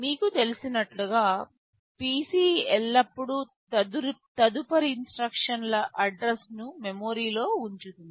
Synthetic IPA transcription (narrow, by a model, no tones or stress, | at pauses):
miːkut̪e̞lisinɐʈluɡaː | piːsiːɛlːɐpːuɽu | t̪ɐd̪uɾt̪ɐd̪upɐɾiinsʈɾɐkʂɐnlɐʔɐɖɾesnumemoːɾiːlo̞ːuɲt͡ʃut̪und̪i